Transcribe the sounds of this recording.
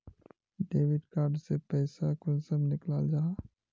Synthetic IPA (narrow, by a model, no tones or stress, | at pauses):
ɖeːʋɪɖkaːɾɖsepɛːsakʊnsəmnɪklaːld͡ʒaː